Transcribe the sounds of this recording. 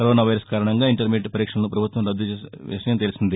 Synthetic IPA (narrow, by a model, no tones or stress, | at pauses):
kɐɾoːnaːʋɐjɾɐskaːɾɐɳɐŋɡaːiɳʈɐɾmeʈːpɐɾiːkʂɐnɐnupɾɐbʱut̪ʋɐmɾɐd̪ːuʋḭʂɐjɐmt̪elisind̪i